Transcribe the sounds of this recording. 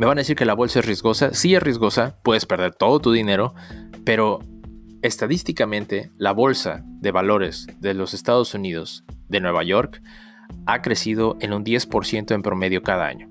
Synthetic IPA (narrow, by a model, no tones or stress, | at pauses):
me̞βanaðe̞s̬iɾke̞laβo̞lsae̞sriezɣo̞sasie̞srjiezɣo̞sapwe̞ðespe̞ɾðe̞ɾt̪o̞ð̞o̞t̪uðine̞ɾo̞pe̞ɾo̞ | e̞st̪aðist̪ikamẽ̞nt̪e̞laβo̞lsa̰ðe̞βalo̞ɾe̞z̥ðe̞lo̞se̞st̪aðo̞suniðo̞z̥ðe̞nwe̞β̞a̰ʝo̞ɾk | akɾe̞sið̞o̞ʔe̞nũnd̪je̞spo̞ɾsje̞nt̪o̞empɾo̞me̞ðjo̞kaða̰a̰ɲo̞